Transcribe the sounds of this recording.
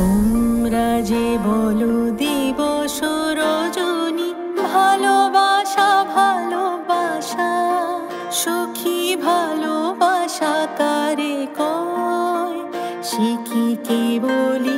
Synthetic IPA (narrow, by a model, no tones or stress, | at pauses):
ommɾad͡ʑebɔlod̪ibɔʃoɾɔd͡ʑoni | bʱalobaʃabʱalobaʃa | ʃokʰibʱalobaʃat̪aɾekɔ | ʃekikiboli